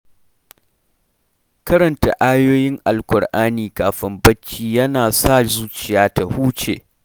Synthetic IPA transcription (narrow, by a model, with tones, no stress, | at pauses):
kɐ˦ɾɐ˨nta˨ʔaː˦joː˦jɪ˦ŋʔa˨lkʷʊ˨ɽʔaː˦niː˨kaː˨ɸɪ˦mbɐ˦t͡ʃːiː˦jɐ˦naː˨sa˦˨zuː˦t͡ʃɪ˨jaː˦ta˨huː˦t͡ʃḛː˨